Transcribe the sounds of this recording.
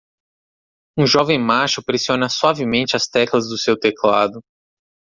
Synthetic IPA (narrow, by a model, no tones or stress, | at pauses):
ũʒɔvẽj̃maʃʊpɾesiõnɐswavɪmẽnt͡ʃɪɐst̪ɛklɐzd̪ʊsewt̪eklad̪ʊ